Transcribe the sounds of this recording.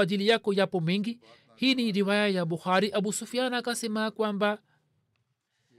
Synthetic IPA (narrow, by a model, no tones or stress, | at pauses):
ad͡ʒilijakɔjapɔmiŋɡi | hiniɾiwajajabuxaɾiʔaɓusufianakasɛmaːkwamba